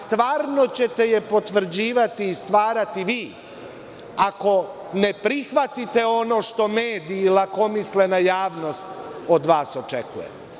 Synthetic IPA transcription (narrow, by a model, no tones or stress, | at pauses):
st̪ʋaːɾno̞t͡ɕe̞t̪e̞jepo̞t̪ʋr̩d͡ʑiːʋat̪iːst̪ʋaːɾat̪iʋiː | ako̞ | ne̞pɾixʋat̪it̪e̞o̞no̞ːʃt̪o̞meːd̪iːlako̞misle̞najaːʋno̞st̪o̞d̪ʋaːso̞t͡ʃḛkṵjḛm